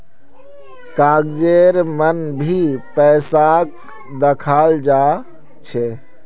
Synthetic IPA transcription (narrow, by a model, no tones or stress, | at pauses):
kaɡd͡ʒeɾmənbʱipɛːsak | d̪əkʰald͡ʒa | t͡ʃʰe